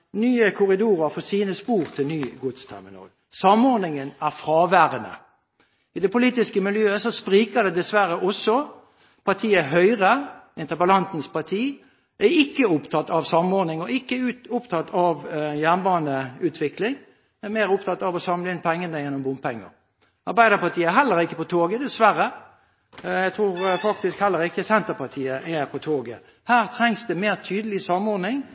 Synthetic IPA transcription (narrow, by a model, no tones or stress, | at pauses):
nyːəkʰʊʁɪd̪uːʁəɾfɔsiːnəspuːʁt̪ʰɪlnyːɡʊd̪st̪ʰæ̰ʁmɪ̰nɑ̰ːl | sɑmɔɾd̪nɪŋənæʁfʁɑːʋæːʁənə̰ | ɪd̪ɛpʊliːt̪ɪskəmɪljøːəsɔspʁiːkəd̪ɛd̪ɛsʋæɾəʔɔsːɔ | pʰɑt̪ʰiːəɦœʏʁəɪnt̪əbəlɑnt̪n̩spɑt̪ʰiː | ʔæɪkːəʊpt̪ʰɑt̪ːɑʋsɑmɔɾd̪nɪŋɔʔɪkːəʉːt̪ʊpt̪ʰɑt̪ʰːɑʋjæːnbɑːnəʉːt̪ʰʋɪklɪŋ | ɛmeːʁʊpt̪ʰɑt̪ːɑʋɔsɑmləɪnpʰɛŋːənəjɛnːɔmbʊmpʰɛŋːə̰ʁ | ʔɑɾbæɪd̪əpɑt̪ʰiːəɛɦɛlːəɾɪkːəpɔt̪ʰoːɡəd̪ɛsʋæɾə | æɡt̪ʰɾuːɾfɑk̚t̪ɪskhɛlːəɾɪkːəsɛnt̪əpɑt̪ʰiːəʔæpʰɔt̪ʰoːɡə̰ | hæːʁt̪ʰʁɛŋsd̪ɛmeːʁt̪ʰyːd̪əlɪsɑmɔɾd̪nɪŋ